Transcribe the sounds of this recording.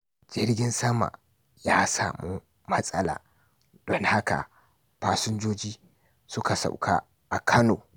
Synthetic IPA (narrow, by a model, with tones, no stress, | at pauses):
d͡ʒɪ˦ɾɡʲɪ˦nsɐ˦ma̰˨ | jaː˦saː˨mu˦ | mɐ˦sʼɐ˦la̰ː˨ | d̥ɔ˦ŋha˦ka̰˨ | paː˦sʊ˦nd͡ʒoː˦d͡ʒiː˦ | sʊ˦ka˨sa̰˨wkʰa̰ː˦ | ʔa˨kʰɐ˦no̰ː˨